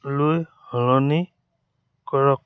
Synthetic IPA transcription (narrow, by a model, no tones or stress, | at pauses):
luj | hɔlɔni | kɔɹɔk̚